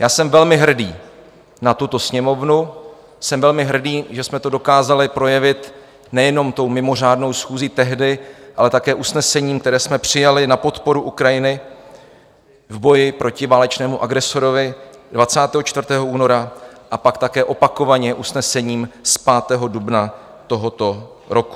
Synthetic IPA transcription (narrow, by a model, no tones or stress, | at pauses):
jaːsɛmvɛlmɪɦr̩dḭː | nat̪ut̪o̞sɲɛmo̞vnu | sɛmvɛlmɪɦr̩diːʒɛsmɛt̪o̞do̞kaːzalɪpɾo̞jɛvɪt̪ | nɛjɛno̞mt̪o̞wmɪmo̞r̝aːdno̞wsxuːziːt̪ɛɦdɪʔalɛt̪akɛːʔusnɛsɛɲiːmkt̪ɛɾɛːsmɛpr̥ɪjalɪnapo̞t̪po̞ɾuʔukɾajɪnɪ | vbo̞jɪpɾʔocɪvaːlɛt͡ʃnɛːmuʔaɡɾɛso̞ɾovɪdvat͡saːt̪ɛːɦo̞t͡ʃt̪vrt̪ɛːɦoʔuːno̞ɾaʔapakt̪akɛːʔo̞pako̞vaɲɛʔusnɛsɛɲiːmspaːt̪ɛːɦo̞dubna | t̪o̞ɦo̞t̪o̞ | ɾʔo̞ku̥